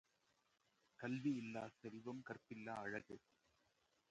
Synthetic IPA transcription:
kɐlʋiɪlːaːsɐɾɪʋɐmkɐrpɪlːaːɐɻɐɣɯ

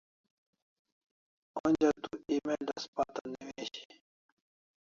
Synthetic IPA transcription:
ond͡ʑat̪uimed̪aspat̪aniweɕi̥

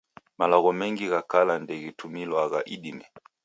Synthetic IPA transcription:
malɔɣɔmɛŋɡiɣakalandɛɣitʰumilwaɣaʔiɗimɛ

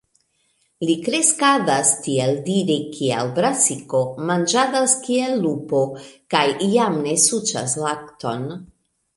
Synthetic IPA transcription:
likɾe̞skadastieldiɾikʰia̰lbɾasiko̞mand͡ʒad̪askielːupo̞kajiamne̞sut͡ʃa̰slak̚t̪o̞n

